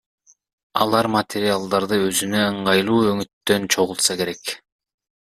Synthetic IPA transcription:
ɑ̰lˠɑɾmat̪ʲʰeɾʲialˠd̪ɑɾd̪ɯøzynø̞ɯɴʁɑjlˠuːøŋyt̪ːø̞nt͡ʃʰo̞ʁulˠt̪sɑke̞ɾe̞k

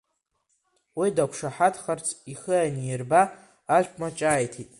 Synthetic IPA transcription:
widakʷʰʂaħatʰχart͡sʰiχɨanirbaː | ʒʷpʼmat͡ʃʼaːjtʰitʼ

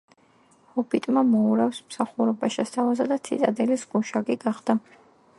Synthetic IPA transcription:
hɔpʰit̪ʼmamɔuɾafsmsaχuɾɔbaʃɛst̪ʰavazad̪at̪sʰḭt̪ʼad̪ɛlisɡuʃaɡiɡaχd̪̥a

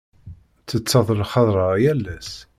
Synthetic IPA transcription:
t͡sːət͡sːɑðˤlχɑðˤɾˤɑjælːæs

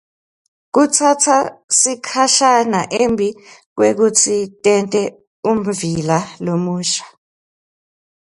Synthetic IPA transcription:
k̬ut͡sʰatʰasikʰaʃanaʔembʱik̬wek̬ut͡sʰitʼɛntʼɛ | um̩vilalomuːʃḁ

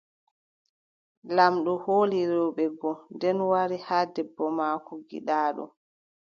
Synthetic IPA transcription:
lamɗɔhoːliɾɛwɓɛɡɔndɛnwaɾihaːdɛbːɔmaːkɔɡḭɗaːɗɔ̰

